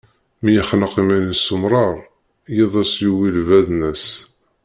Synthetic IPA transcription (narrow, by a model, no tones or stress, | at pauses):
mijəχnəqimænəsəmɾˤɑɾˤ | jiðˤæsjuwilvæðnəs